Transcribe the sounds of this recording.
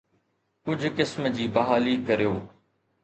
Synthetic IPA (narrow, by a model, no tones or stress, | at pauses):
kʊd͡ʑʱkɪsmd͡ʑiːbɐɦaːliːkɐɾijoː